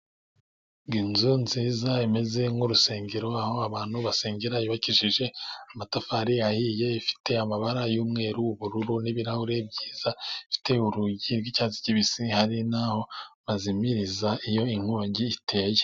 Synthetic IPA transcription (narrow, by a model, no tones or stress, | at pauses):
ɡinzunziːzaime̞ze̞ŋuɾuse̞ːŋɡeɾo̞aho̞aβaːn̥huβaseːŋɟeɾajiβaciʃiʒe̞amatafaɾiahije̞ifi̥te̞amaβaɾajuːmŋe̞ːɾuuβuɾuɾuniβiɾahuɾe̞bɟiːz̥aifi̥te̞uɾuɟiɾɡicaːzi̥ciβisihaɾinaho̞βazimiɾizaijo̞iŋ̥huɲɟiːtʰe̞ːje